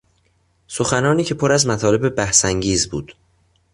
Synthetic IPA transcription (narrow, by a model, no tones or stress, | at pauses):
so̞xænɒːniːcʰe̞pʰoɾæzmæt̪ʰɒːle̞bebæhsæŋɟiːzbuːd̪̥